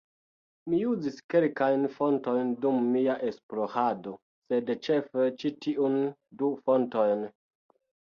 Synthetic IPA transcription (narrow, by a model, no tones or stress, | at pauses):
mijuziskelkajnfo̞nto̞jndumːiaʔesplohado̞ | se̞dt͡ʃefet͡ʃitiʔundufo̞nto̞jn